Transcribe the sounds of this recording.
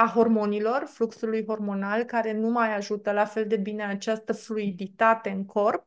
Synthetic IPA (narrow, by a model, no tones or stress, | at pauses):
aɦo̞rmo̞nilo̞rfluksulujɦo̞rmo̞nalkaɾe̞numajaʒut̪əlafe̞ld̪e̞bine̞at͡ʃast̪əfluid̪it̪at̪e̞ɨŋkʰo̞rp̚